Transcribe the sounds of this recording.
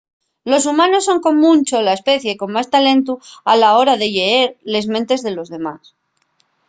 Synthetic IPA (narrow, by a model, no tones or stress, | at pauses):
lo̞s̬umãno̞sːo̞ŋko̞mːũnt͡ʃolaespe̞θje̞ko̞mmast̪alẽ̞nt̪̬ualao̞ɾaðe̞ʎe̞eɾle̞zmẽnt̪e̞zðe̞lo̞zðe̞mas